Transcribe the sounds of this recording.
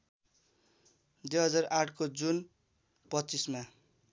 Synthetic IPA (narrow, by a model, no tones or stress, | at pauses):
d̪ujɦʌd͡zarʔaʈʰkod͡zun | pʌtːt͡sisma